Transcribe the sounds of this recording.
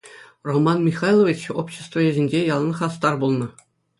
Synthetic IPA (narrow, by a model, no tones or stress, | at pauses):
romɑnmʲiχɑjlˠoʋʲit͡ɕopɕːĕst̪voeʑʲĕnʲd͡ʑejɑlˠnɤ̆χɑs̬t̪ɑrbulˠnɤ̆